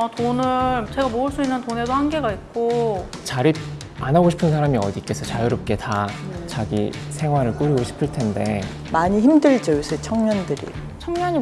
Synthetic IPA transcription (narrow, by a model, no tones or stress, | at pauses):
atonɯɭt͡ɕe̞ɡamoɯɭs͈uinːɯntone̞dohanɡe̞ɡaik̚k͈ot͡ɕaɾip̚ | anaɡoɕʰi̥pʰɯnsʰaɾamiʌdik͈e̞sʰʌt͡ɕajuɾop̚k͈e̞tat͡ɕaɡḭsʰe̞ŋɦwaɾɯɭk͈uɾiɡoɕʰi̥pʰɯɭtʰe̞nde̞ | maɲiçimdɯɭd͡ʑʌjusʰɯt͡ɕʰʌŋɲʌndɯɾḭ | t͡ɕʰʌŋɲʌɲi